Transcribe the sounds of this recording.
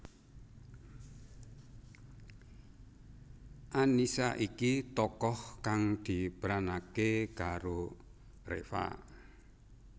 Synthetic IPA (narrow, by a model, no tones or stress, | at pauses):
ʔanisaʔikit̪ɔkɔhkaŋd̪̥i̤pɾanakekaɾo | rḛfa̰